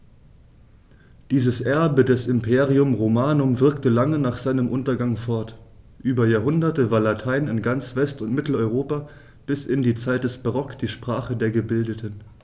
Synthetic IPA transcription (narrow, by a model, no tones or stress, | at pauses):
d̥iːzəsʔɛɐbədɛsɪmpʰeːʁiʊmʁomaːnʊmvɪɐktəlaŋənaːχz̥aɪnəmʔʊntɐɡaŋfɔɐt | ʔyːbɐjaːɐɦʊndɐtəvaːɐlatʰaɪnɪnɡant͡sv̥ɛstʊntmɪtl̩ɔʏʁoːpaː | b̥ɪsɪndiːt͡saɪt̚d̥ɛsb̥aʁɔkd̥iːʃpʁ̥aːχədeːɐɡəbɪldətʰən